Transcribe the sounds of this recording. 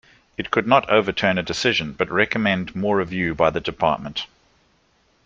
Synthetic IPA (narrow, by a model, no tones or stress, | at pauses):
ɨt̚kʰɨdⁿnəɾəʊvətʰɜ̃ːnədɨsɪʒə̃nb̥ʌt̚ɹɛkəmɛ̃ndmɔːɹəvjʉːbaɪðədɨpʰɑ̰ˑʔ̚mə̃nt